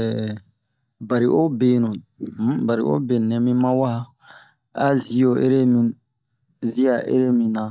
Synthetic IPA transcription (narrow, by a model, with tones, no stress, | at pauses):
ba˨ɾi˨ʔo˦be˨nũ˨˦ba˨ɾi˨ʔo̰˦be˨nɛ̃˨mĩ˦mã˦wa˦ | a̰˦zi˨o˨ʔe˦ɾe˦mĩ˨ | zi˦a˨ʔḛ˦ɾe˦mĩ˨nã˨